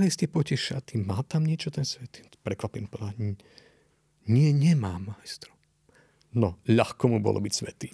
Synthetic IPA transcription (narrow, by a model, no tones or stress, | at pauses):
liscɛpɔcɛʃat̪imaːt̪amɲɪɛt͡ʃɔt̪ɛnsʋɛt̪i | pɾɛkʋapinpɔd̪a | ɲɪɛɲɛmaːmːajst̪ɾɔ̥ | nɔʎaxkɔmubɔ̰lɔ̰bicsʋɛt̪iː